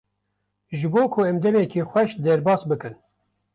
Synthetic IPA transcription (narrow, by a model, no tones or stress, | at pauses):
ʒɨboːkʰʊɛmd̪ɛmɛkiːxʷwɛʃd̪ɛɾbɑːsbɨkɨn